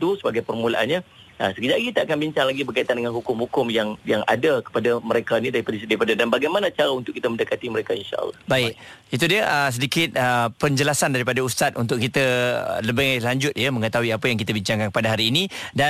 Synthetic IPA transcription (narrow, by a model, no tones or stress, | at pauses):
t̪usəbaɡajpərmulaʔa̰nɲa | əsəkəd͡ʒaʔɡit̪aakanbiɲt͡ʃaŋlaɡibərkait̪andəŋanhukʊmhukʊmjaŋjaŋa̰dakə̥padaməɾekainidaɾipadasdaɾipadadanbaɡajmanat͡ʃaɾaunt̪ʊkːit̪əməndəkat̪iməɾekainʃa̰ʔlːɑ̰hbaɪk̚it̪udiəʔəs̬ədikɪt̪̚əpəɲd͡ʒəlasandaɾipadaust̪at̪̚ṵnt̪ʊʔkit̪ə̰ləbɪŋalaɲd͡ʒʊt̪̚jəməŋət̪aɦuiapəjaŋk̬it̪əbiɲt͡ʃaŋkanpadaɦaɾiːnĩda